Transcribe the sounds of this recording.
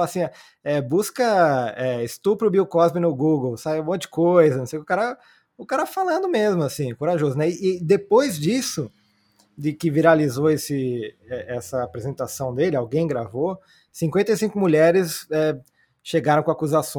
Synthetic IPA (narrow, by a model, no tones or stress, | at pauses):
asĩa | ɛbuskɐɛɪst̪upɾʊbiwkɔzbɪnʊɡuɡowsab̃mõt̪̚d͡ʒɪ̥kojzɐnõsejkɪʊkaɾɐ | ʊkaɾɐfalɐ̃d̪ʊmezmʊasĩkoɾaʒozʊnɛɪːd̪epojzd͡ʒisʊ | d͡ʒ̪ɪkɪviɾalizoesɪɛɛsɐapɾezẽnt̪asɐ̃w̃d̪elɪawɡẽj̃ɡɾavo | sĩkwẽnt̪ɐejsĩŋkʊmuʎɛɾɪsɛ | ʃeɡaɾɐ̃w̃kõakuzasõ